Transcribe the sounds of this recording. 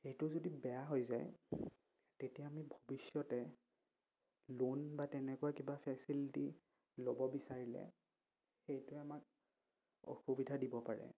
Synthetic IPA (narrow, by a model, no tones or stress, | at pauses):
xejtʊzodibɛjaɦojza̰j | tetijaamibʱobisjɔtɛ | lonbatɛnɛkʊakibapʰɛsiliti | lobɔbisaɹilɛ̰ | xejtʊamak̚ | o̰xubidʱadibɔpaɹɛ̰